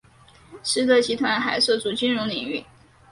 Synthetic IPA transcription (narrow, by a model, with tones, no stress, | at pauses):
ʂɻ̩˥t̪ɤ˥˩t͡ɕi˧˥t̪ʰwa˧˥nxa˧˩ɪʂɤ˥˩t͡su˨˩t͡ɕy˥nɻʊ˧˥ŋli˨˩˦ŋy˥˩